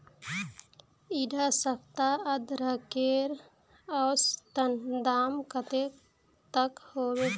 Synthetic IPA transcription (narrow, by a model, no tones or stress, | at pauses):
iɖasəkt̪aəd̪ɾəkeɾ | ɔːst̪ənd̪aːmkət̪e | t̪əkhoːwe